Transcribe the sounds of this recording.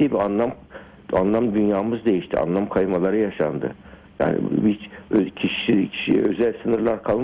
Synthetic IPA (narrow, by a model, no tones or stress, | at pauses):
ibianlˠam | anlˠamd̪ynjaːmɯzd̪e̞jiʃt̪ʰia̰nlˠamkʰajmalˠaɾɯjaʃa̰nd̪ɯ̰ | ja̰ːnɪ̰bit͡ʃøcʰiʃicʰi̥ʃiøzælʲsɯnɯɾlˠaɾkʰalˠ